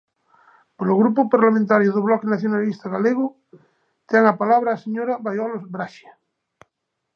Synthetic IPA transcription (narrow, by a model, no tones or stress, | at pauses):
poloɣɾupopaɾlamẽnt̪aɾjoðoβlɔkenaθjonalist̪aɣaleɣ̞o | t̪ɛŋapalaβɾaːseɲoɾaβajɔlozbɾaʃa